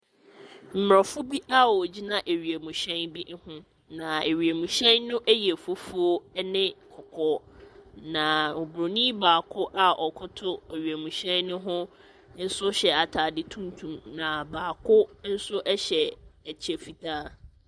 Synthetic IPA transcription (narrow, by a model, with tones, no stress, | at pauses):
m̩˨mɾɔ˨fʊ˦bi˦ʔa˦wɔ˨d͡ʑi˦nã˦ʔe˨ɥi˨e˨mũ˨ɕɛ̃˦nbi˦hʊ̃˦ | nã˨e˨ɥi˨e˨mũ˨ɕɛ̃˦nnʊ̃˦ʔæ˦jɛ˨fo˦fu˦o˦nɪ̃˦kʰɔ˨kʰɔ˦ | nã˨ʊ˨bɾo˨nĩ˦baː˨kʰʊ˦ʔa˦ʔɔ˨kʰʊ˦tʰʊ˦e˨ɥi˨e˨mũ˨ɕɛ̃˦nːʊ̃˦ɦʊ̃˦ | n̩˦sʊ˦ɕɛ˨a˨tʰaː˨dɪ˦tʰũ˦ntʰũ˨mnã˨baː˨kʰʊ˦n̩˦sʊ˦ʔɛ˦ɕɛ˨t͡ɕʰi˨e˨fi˨tʰaː˦